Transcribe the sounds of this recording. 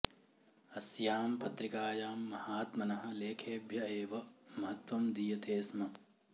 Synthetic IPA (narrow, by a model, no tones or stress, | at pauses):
ɐsjaːmpɐt̪ɾikaːjaːmːɐhaːt̪mɐnɐɦɐ̆leːkʰeːbʱjɐeːʋɐmɐɦɐt̪ʋɐmd̪iːjɐt̪eːsmɐ